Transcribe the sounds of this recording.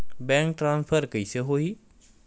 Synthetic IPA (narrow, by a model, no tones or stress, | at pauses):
bɛ̃ːŋk̚ʈɾãːnspʰəɾkəiseɦoːiː